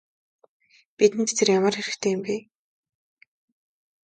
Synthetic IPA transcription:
pit̪ɘ̆nt̪t̪ʰerjamə̆rxeɾɘ̆xt̪ʰeːjɪmpiː

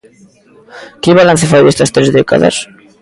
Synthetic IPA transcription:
kɪβalan̟θefajðest̪ast̪ɾezðeka̰ða̰s

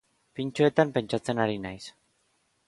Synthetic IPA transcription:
pint͡ʃoe̞t̪ampe̞nt͡ʃat͡se̞naɾinajs

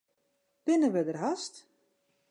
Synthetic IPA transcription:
b̥ɪnəʋədərɦast

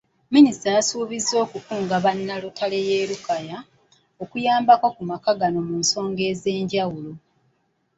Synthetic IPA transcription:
ministajasuːβizːo̞ːkukuːŋɡaβanːalotʰale̞jeːɾukaja | o̞kujaːmbakwakumakaɡano̞muːnso̞ːŋɡe̞ːze̞ːɲɟawulo̞

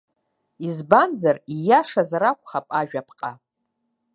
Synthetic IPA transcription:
izbanzarijaʂazaɾakʷʰʼχapʼaʒᶣapʰqʼa

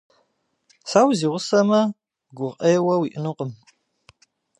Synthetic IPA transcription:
saːwziːʁʷʊsɐmɐ | ɡʷʊʁʼɐjɛwɐwiʔɪnuqʼəm

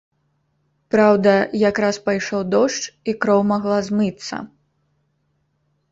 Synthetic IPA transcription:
pɾawd̪ɐjakɾaspajʂɔwd̪ɔʂt͡ʂikɾɔwmaɣlˠazmɨt̪sːɐ̰

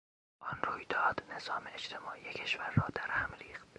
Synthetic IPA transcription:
ʔɒnrujd̪ɒːd̪ne̞z̥ɒːmeet͡ʃt̪ʰe̞mɒːʔijecʰe̞ʃvæɾːɒːd̪æɾhæmɾiːxt̪

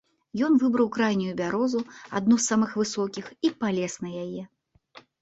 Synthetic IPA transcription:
jɔnvɨbɾɐwkɾajnʲujubʲaɾɔzua̰d̪̚nusːamɨxvɨsɔkʲixipalʲɛsnɐjajɛ

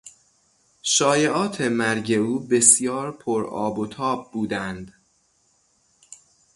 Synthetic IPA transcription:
ʃɒːjeʔɒːt̪ʰemæɾɟe̞uːbe̞sjɒːɾpʰoɾɒ̰ːbot̪ʰɒːb̚buːd̪ænd̪̥

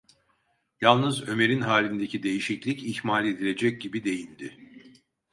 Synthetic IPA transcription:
jalˠnɯzø̞me̞ɾinɦaːlʲind̪e̞cʰid̪e̞jiʃiclʲicihmaːlʲe̞d̪ilʲe̞d͡ʒɛc̚ɟibid̪e̞jind̪ɪ

